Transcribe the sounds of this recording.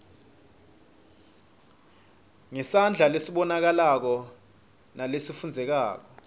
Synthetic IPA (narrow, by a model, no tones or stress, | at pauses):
ŋɛsand͡ɮʱalesiɓɔnak̬alak̬ɔ | nalesifund͡zʱɛk̬a̰ːk̬ɔ